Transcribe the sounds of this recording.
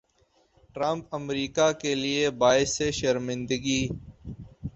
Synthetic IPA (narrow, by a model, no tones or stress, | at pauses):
ʈɾɐ̃mpəmɾiːkakeliebaːɪseʃəɾmɪ̃nd̪əɡiː